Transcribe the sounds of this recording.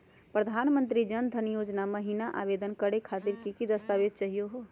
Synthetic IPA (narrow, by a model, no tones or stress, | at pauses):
pɾəd̪ʱanmənt̪ɾid͡ʒənd̪ʱənjod͡ʒnaməɦinaʔa̰bed̪ənkəɽekʰat̪iɾkikid̪əst̪aʋed̪̚t͡ʃəɦijoɦo